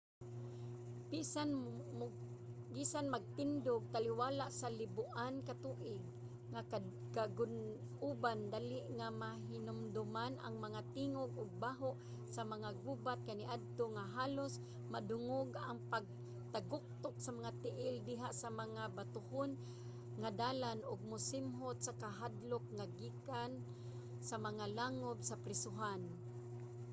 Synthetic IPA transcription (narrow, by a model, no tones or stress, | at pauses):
bisa | bisanmaɡ̚t̪ɪnd̪ʊɡ̚t̪aliwaːlaʔsalɪbʊʔankat̪uːʔɪɡ̚ | ŋa | kaɡʊn | uband̪alɪʔŋamaɦɪnʊmd̪ʊmana̰ŋmaŋat̪iŋoɡʊɡ̚baɦoʔ | samaŋaɡubat̪̚kaniʔad̪̚t̪oŋaɦaːlʊs | madʊŋʊɡaŋpaɡ̚ | t̪aɡʊk̚t̪ʊk̚samaŋat̪ɪʔɪld̪ɪɦaʔsamaŋabat̪ʊhʊn | ŋad̪aːlanʊɡ̚mʊsɪmɦʊt̪̚sakaɦad̪lʊk̚ŋaɡiːkan | samaŋalaŋʊbsapɾɛsʊɦan